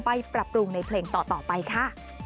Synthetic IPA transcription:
pa˧jpɾa˨˩p̚ɾu˧ŋna˧jpʰleː˧ŋt̪ɔː˨˩t̪ɔː˨˩pa˧jkʰa˥˩

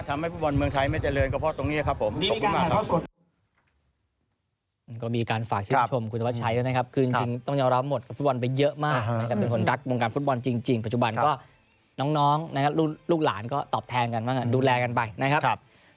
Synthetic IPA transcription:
t̪ʰa˧mha˥˩jfu˦˥t̪̚bɔ˧nmɯ˧əŋt̪ʰa˧jma˥˩jt͡ɕa˨˩lɤː˧nkɔː˥˩pʰɔ˦˥t̪o˧ŋni˦˥ɐkʰa˦˥pʰːo˩˦mo˨˩kʰːmaː˥˩kʰa˦˥˩ | kɔː˥˩miː˧kaː˧nfaː˨˩k̚t͡ɕʰɯː˥˩˧t͡ɕʰo˧mkʰu˧nt̪a˧˦˥t͡ɕʰa˧jɯː˥˩na˦˥kʰa˦˥p̚kʰɯː˧t͡ɕi˧ŋt͡ɕi˧ŋt̪ɔ˥˩ŋjɔː˧ɾa˦˥mo˨˩t̪̚ka˩fu˦˥t̪̚bɔ˧np̬a˧jːɤ˦˥ʔmaː˥˩a˦˥˩kʰa˦˥ppe˧nkʰo˧nɾa˦˥k̚wo˧ŋkaː˧nfu˦˥t̪̚bɔ˧nt͡ɕi˧ŋt͡ɕi˧ŋpa˨˩t̪̚t͡ɕu˨˩ba˧nkɔː˥˩ | nɔː˦˥ŋnɔː˦˥ŋna˦˥kʰa˦˥p̚luː˥˩luː˥˩k̚laː˩˦nkɔː˥˩t̪ɔː˨˩p̚t̪ʰɛː˧nka˧nmaː˥˩ŋʔa˧˩duː˧lɛː˧ka˧npa˧jna˦˥kʰa˦˥k̚ʰp̚

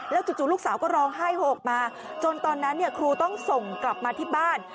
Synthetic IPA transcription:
lɛː˦˥wt͡ɕu˨˩t͡ɕuː˨˩lu˥˩k̚saː˩˦wkɔː˥˩ɾɔː˧ŋɦaː˥˩jhoː˨˩k̚maː˧ | t͡ɕo˧nt̪ɔː˧nːa˦˥nːi˥˩ɐkʰɾuː˧t̪ɔ˥˩ŋso˨˩ŋkla˨˩p̚maː˧t̪ʰiː˥˩baː˥˩n

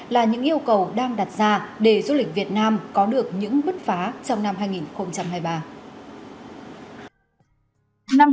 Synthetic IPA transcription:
laː˨˩ɲɨ̰˧˥ŋʔi˧əwkə˨˩wɗaː˧ŋɗa˨˩t̚zaː˧ɗe˧˩zu˧lï˨˩k̟̚vi˨˩ət̚naː˧mkɔ˨˦ɗɨ˨˩ək̚ɲɨ̰˧˥ŋɓɨ˦˥t̚faː˨˦t͡ɕɔ˧wŋ͡mna˧mɦaː˧jŋi˨˩nxə˧wŋ͡mt͡ɕa˧mɦaː˧jɓaː˧ | na˧m

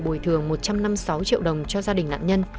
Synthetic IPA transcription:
ɓu˧˩jt̪ʰɨ˨˩əŋmo˨˩t̚t͡ɕa˧mna˧msa˨˦wt͡ɕḭ˧˨əwɗə˨˩wŋ͡mt͡ɕɔ˧zaː˧ɗï˨˩ŋna̰ː˧˨nɲə˧n

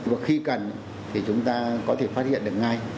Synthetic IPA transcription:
vaː˨˩xi˧kə˨˩n | t̪ʰi˨˩t͡ɕʊ˨˦ŋ͡mt̪aː˧kɔ˨˦t̪ʰe˧˩faː˦˥t̚hḭ˧˨ənɗɨ˨˩k̚ŋa˧j

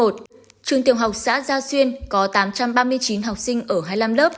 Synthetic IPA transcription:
o˨˩t̚ | t͡ɕɨ˨˩əŋt̪i˨˩əwɦa˨˩wk͡p̚sa̰ː˧˥zaː˧swi˧ənkɔ˨˦t̪aː˨˦mt͡ɕa˧mɓaː˧mɨ˧əjt͡ɕi˨˦nɦa˨˩wk͡p̚sï˧ŋ̟ʔəː˧˩ɦaː˧jla˧mləː˦˥p̚

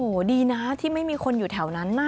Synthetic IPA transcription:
ʔo˨˩diː˧na˦˥t̪ʰiː˥˩ma˥˩jmiː˧kʰo˧njuː˨˩t̪ʰɛ˩˦wna˦˥nːaː˥˩

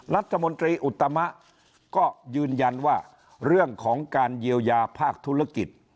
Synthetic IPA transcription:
ɾa˦˥t̪ʰːa˧mo˧nt̪ɾiː˧ʔu˨˩t̪ːa˧ma˦˥ʔ | kɔː˥˩jɯː˧nja˧nwaː˥˩ | ɾɯ˥˩əŋkʰɔː˩˦ŋkaː˧nji˧əwjaː˧pʰaː˥˩k̚t̪ʰu˦˥ɾa˦˥˩ki˨˩t̪̚

